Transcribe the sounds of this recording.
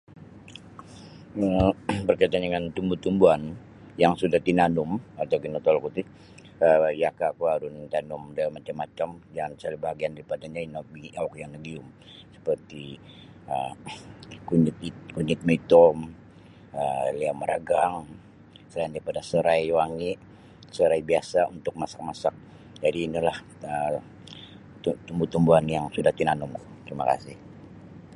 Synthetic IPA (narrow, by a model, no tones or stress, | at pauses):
əbərkait̪anəŋant̪umbut̪umbuan | jaŋsudaht̪inanʊmat̪awkinɔt̪ɔlkut̪ɪ | əjakakuaɾʊnt̪anʊmdamːat͡ʃamːat͡ʃamd͡ʒansalabaɦaɡiandaɾipadaɲainobiʔak̚jaŋnəɡiʊm | sə̥pərt̪i | ə | kut̪kuɲɪt̪̚mait̪ɔm | əliaməɾʔa̰ɡaŋ | səlajandaɾipadasəɾajwaŋɪʔ | səɾajbiasaunt̪ʊk̚masḁk̚masak̚ | d͡ʒadiːnilah | ə | t̪umbut̪umbuanjaŋsudaht̪inanʊŋ | t̪ɾimaka̰sɪh